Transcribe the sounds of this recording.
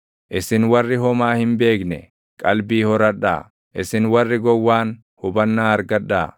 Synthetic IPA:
ʔɪsɪnwɐrːɪɦɔmaːhɪnbe̞ːknɛ̰ | kʼɐlbiːhɔɾɐᶑa̰ː | ʔɪsɪnwɐrːɪɡɔwːaːn | hʊbɐnːaːɐɾɡɐᶑːaː

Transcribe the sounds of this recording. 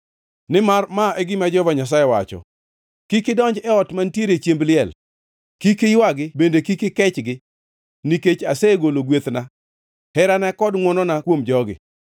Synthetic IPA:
nɪmarmaʔɛɡɪmad͡ʒɔvaɲas̬ajewat͡ʃɔ̰ | kɪkɪdɔɲd͡ʒɛɔtmantjeɾet͡ʃjemblɪɛl | kikɪjwaɡɪbendekikɪkɛt͡ʃɡɪ | niket͡ʃaseɡoloɡwet̪na | hɛɾanɛkɔdŋwɔnɔnakwomd͡ʒɔɡɪ̰

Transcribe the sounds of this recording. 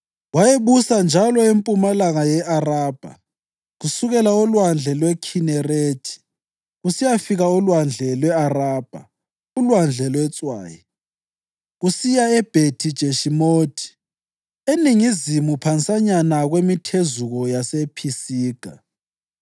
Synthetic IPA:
wajeβusand͡ʒʱalɔempʼumalaŋajɛʔaraːb̥ʱa̰ | ɣusuɣɛlaɔlwand͡ɮʱɛlwɛkʰinɛreːtʰi̥ | ɣusijafiɣaɔlwand͡ɮʱɛlwɛaraːb̥ʱa̰ | ulwand͡ɮʱɛlwɛt͡sʼwa̰ːji | ɣusijaɛb̥ʱetʰid̥ʒ̥ʱeʃimoːtʰi̥ | eniŋizimupʰant͡sʼaɲanaɣwemitʰezuɣɔjasepʰisiːɡ̥ʱa̰

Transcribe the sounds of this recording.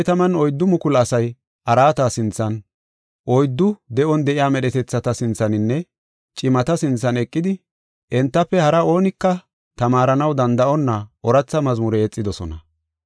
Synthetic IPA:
t̪ɐmɐnɔjd̪ːʊmʊkʊlɐsɐj | ʔɐɾaːt̪asɪnt͡sːɐn | ʔɔjd̪ːʊd̪ɛʔɔnd̪ɛʔɪjaːmɛɗɛt̪ɛt͡sːɐt̪ɐsɪnt͡sːɐnɪnːɛ | t͡ʃʼɪmɐt̪ɐsɪnt͡sːɐnɛkʼːɪd̪ɪ | ʔɛnt̪ːɐpːɛhɐɾɐo̞ːnɪkːɐ | t̪ɐmaːɾɐnɐwd̪ɐnd̪ɐʔɔnːɐɔɾɐt͡sːɐmɐzmʊɾɛɛt͡sʼːɪd̪ɔsɔ̰nɐ̰

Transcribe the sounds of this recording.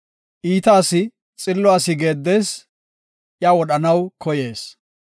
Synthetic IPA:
ʔiːt̪aːsɪ | t͡sʼɪlːʊaːsɪɡe̞ːd̪ːeːs | ʔjawɔɗɐnɐwkʰɔje̞ːs

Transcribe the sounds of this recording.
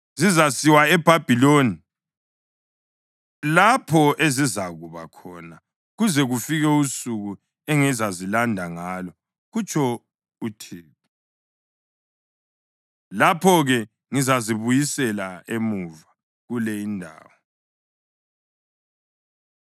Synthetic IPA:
zizasiwaɛb̥ʱab̥ʱiloːni | lapʰɔʔezizaɣuβa̰kʰɔna | ɣuzɛɣufiɣɛusuɣu | ɛŋizazilandʱaŋaːlɔ | ɣut͡ʃʼʰɔ | utʰiːpi | lapʰɔɣɛ | ŋizaziβujisɛlaemuva | ɣulɛindʱa̰ːwɔ

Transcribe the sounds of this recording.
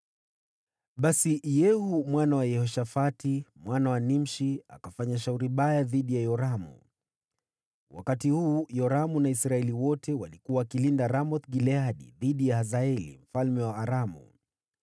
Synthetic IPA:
ɓasijɛhumwanawajɛhɔʃafatimwanawanim̩ʃia̰kafaɲaʃ̬auɾiɓajaðiɗijajɔɾamṵ | wa̰katihuːjɔɾamunaisɾaɛliwɔtʰɛwalikuaːkilindaɾamɔt̪ɡilɛaɗḭðiɗijahazaɛlḭm̩falmɛwaːɾamṵ

